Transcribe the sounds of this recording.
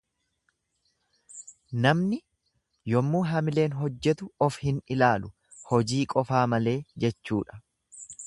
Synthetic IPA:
nɐmnɪ | jɔmːuːɦɐmɪle̞ːnɦɔd͡ʒːɛt̪ʊɔfhɪnɪlaːlʊ | hɔd͡ʒiːkʼɔfaːmɐle̞ːd͡ʒɛt͡ʃːuːᶑɐ̥

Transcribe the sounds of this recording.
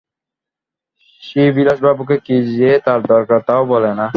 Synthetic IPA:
ʃibilaʃbabuk̬ekid͡ʑiet̪aɾd̪ɔɾkaɾt̪aobɔlena

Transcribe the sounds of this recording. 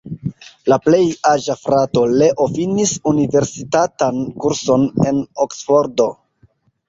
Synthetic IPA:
laple̞jaʒafɾato̞le̞ʔofinisunive̞ɾsitatankuɾso̞ne̞̰noksfo̞ɾdo̞

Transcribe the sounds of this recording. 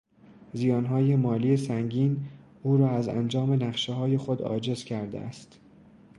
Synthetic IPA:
zijɒːnɦɒːjemɒːliːesæŋɟiːn | uːɾɒːæzæ̰nd͡ʒɒːme̞næχʃeɦɒːje̞xod̪ɒ̰ːd͡ʒe̞zcʰæɾd̪ḛæ̰st̪

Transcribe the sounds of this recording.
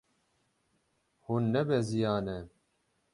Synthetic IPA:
hunːɛbɛzijɑːnɛ

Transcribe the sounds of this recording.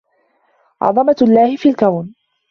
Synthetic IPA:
ʕɑ̰ðˤɑmalːaːhɪfiːlkawn

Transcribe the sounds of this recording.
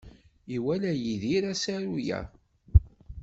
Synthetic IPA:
iwælæjiðiɾæsæɾujæ̰

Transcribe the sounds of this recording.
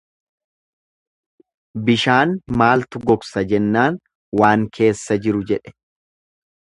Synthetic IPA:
bɪʃaːnmaːlt̪ʊɡɔksɐd͡ʒɛnːaːn | waːŋkʰe̞ːsːɐd͡ʒɪɾʊd͡ʒɛᶑɛ̥

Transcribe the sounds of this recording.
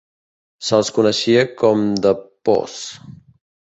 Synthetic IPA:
səlˠskunəʃiəkɔmd̪əpɔ̰s

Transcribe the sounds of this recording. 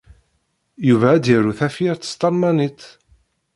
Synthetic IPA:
juvæːd̪jəɾuθæfiəɾt̪ːə̥st̪ˤɑɾmænit̪

